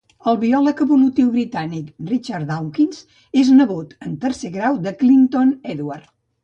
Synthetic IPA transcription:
əlˠβiɔləkəβulut̪iwβɾit̪anikrit͡ʃaɾd̪awkins | eznəɣut̪ənt̪əɾseɣɾawd̪əklint̪onɛðuart̪

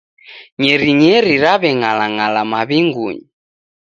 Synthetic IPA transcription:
ɲɛɾiɲɛɾiɾaβɛŋalaŋalamaβiŋɡuɲi

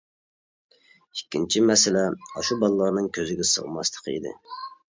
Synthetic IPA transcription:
ikʲʰːint͡ʃʰimɛsɪlɛɑʃubɑlˠlˠɑɾnɨŋkʲʰøzɪɡʲɛsə̰ʁmɑ̰slˠə̥qʰḭd̪ɪ̰

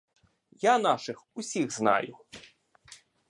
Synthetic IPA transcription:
janaʂɨxusʲiɣzna̰jʊ

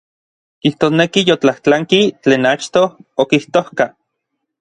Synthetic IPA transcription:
kiht̪oːsnekijot͡ɬaht͡ɬaŋkit͡ɬeːnat͡ʃt̪ookiht̪ohka

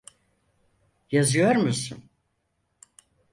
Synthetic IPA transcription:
jazɯjo̞ɾmusṵn

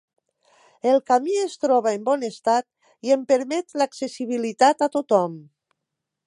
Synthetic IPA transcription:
elˠkamiest̪ɾɔβaembɔnest̪at̪̚ | iempeɾmɛt̪laksesiβ̞ilit̪at̪at̪ot̪ɔm

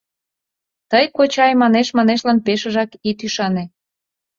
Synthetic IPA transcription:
t̪əjkot͡ɕɑjmɑneʃmɑneʃlɑnpeʃəʒɑkit̪yʃɑne

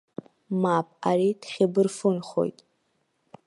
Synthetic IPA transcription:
mapʼaɾiːtχʲɪbɨrfɨnχo̰jtʼ

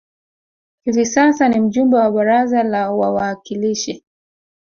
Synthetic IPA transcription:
hivisasanim̩ʄumbɛwaɓaɾazalawawaːkiliʃi

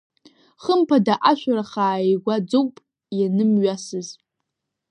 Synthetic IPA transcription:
χəmpʰadaʔaʃʷᶣaɾaχaːeɡʷad͡zowʷʼpʼ | janɨmɥasɨz

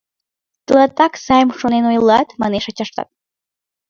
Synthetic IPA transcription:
t̪əlɑt̪ɑksɑjəmʃonenojlˠɑt̪mɑneʃɑt͡ɕɑʃt̪ɑ̰t̪̚

